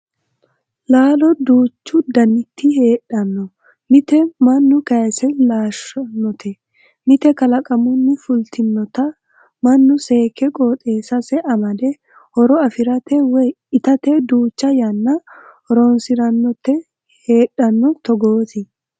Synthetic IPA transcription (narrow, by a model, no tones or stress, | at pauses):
laːlɔd̪uːt͡ʃːʊd̪ɐnːɪt̪ːɪhe̞ːɗɐnːɔ | mɪt̪ɛmɐnːʊkɐjsɛlaːʃɐnːɔt̪ʰɛ | mɪt̪ɛkɐlɐkʼɐmʊnːɪfʊlt̪ʰɪnːɔt̪ɐ | mɐnːʊse̞ːkːɛkʼoːt̪ʼeːsɐsɛʔɐmɐd̪ɛ | hɔɾɔɐfɪɾɐt̪ɛwɛj | ɪt̪ɐt̪ed̪uːt͡ʃːɐjɐnːɐ | ɔɾoːnsɪɾɐnːɔt̪ːɛ | he̞ːɗɐnːɔt̪ɔɡoːt̪ɪ